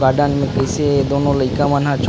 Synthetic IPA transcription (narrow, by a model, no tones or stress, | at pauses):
ɡaːɖãːnmẽkəjsed̪onoləɪkãmãːnɦãt͡ʃʰ